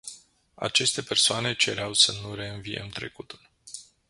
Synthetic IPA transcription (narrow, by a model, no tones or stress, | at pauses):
a̰t͡ʃe̞st̪e̞pe̞rsoane̞t͡ʃe̞ɾeawsənuɾe̞ɨnvijḛmt̪ɾe̞̰kut̪ul